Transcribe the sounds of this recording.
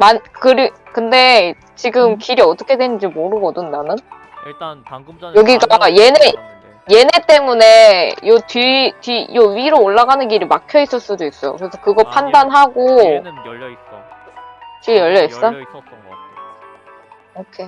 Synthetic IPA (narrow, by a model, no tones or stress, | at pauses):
mankɯɾi | kɯnde̞ | t͡ɕiɡɯmkiɾiʌt͈ʌkʰe̞dwenɯnd͡ʑimoɾɯɡʌdɯndanɯn | jʌɡiɡaajene | je̞ne̞t͈e̞mune̞jʌtɥitɥijʌɥiɾoːɭːaɡanɯnkiɾimakʰjʌis͈ɯɭs͈udois͈ʌjo̰kɯɾe̞sʰʌkɯɡʌpʰandanɦaɡo | t͡ɕijʌʎːʌis͈ʌ | okʰe